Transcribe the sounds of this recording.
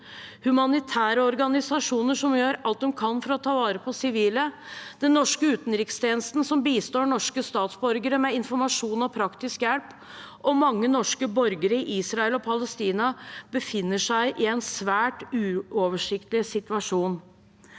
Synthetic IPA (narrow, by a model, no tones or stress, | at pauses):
hʉmɑnɪt̪ʰæːɾəɔɾɡɑnɪsɑʂuːnəʂɔmjøːɾɑlt̪̚d̪ɔmkʰɑnfɔɾɔt̪ʰɑːʋɑːɾəpʰɔsɪʋiːləd̪̥ɛnːɔʂkəʉːt̪nɾɪkst̪ʰjeːnəst̪n̩sɔmbiːst̪oːɳɔʂkəst̪ɑːt̪sbɔɾɡəɾəmɛɪnfɔɾmɑʂuːnɔpʰɾɑkt̪ɪskjɛlp | ʔɔmɑŋːənɔʂkəbɔɾɡəɾəɪʔiːsɾɑɛlɔpʰɑləst̪iːnɑbəfɪnːəʂæɪʔɪɛnsʋæːʈʉːɔʋəʂɪkt̪lɪsɪt̪ʉɑʂuːn